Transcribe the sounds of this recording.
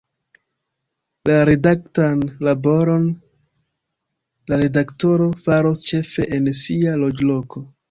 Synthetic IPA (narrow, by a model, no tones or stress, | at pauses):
laɾe̞daktanlabo̞ɾo̞n | laɾe̞dakto̞ɾo̞faɾo̞st͡ʃe̞fe̞ʔensialo̞d͡ʒlo̞ko̞